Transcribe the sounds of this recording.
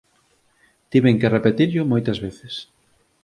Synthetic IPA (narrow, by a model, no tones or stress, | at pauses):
t̪iβeŋkerepet̪iɾʎʊmojt̪ɐzβeθɪs